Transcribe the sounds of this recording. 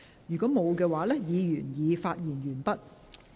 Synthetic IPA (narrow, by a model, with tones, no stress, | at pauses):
jyː˨˩kʷɔː˨˥mo˨˧wkɛː˧waː˨˥lɛː˥jiː˨˧jyː˨˩njiː˨˧faː˧t̚jiː˨˩njyː˨˩npɐ˥t̚